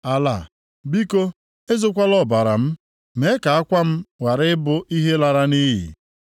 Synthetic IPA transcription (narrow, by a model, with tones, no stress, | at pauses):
a˨la˨ | bi˦ko˦ | e˦zʊ˦kʷa˦lɔ˨ba˨ɾa˨m̩˦ | me˨˦ka˨a˦kʷa˦m̩˦wa˨ɾɪ˦ɪ˦bʊ˨ʔi˦ɦe˦la˨ɾa˦ni˦ɦḭ˨